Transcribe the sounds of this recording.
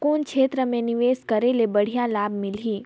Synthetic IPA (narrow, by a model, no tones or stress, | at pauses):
kuːnkʃʰeːt̪ɾəmẽnɪʋeːskəɾelebəɽ̤ijalaːbmɪliː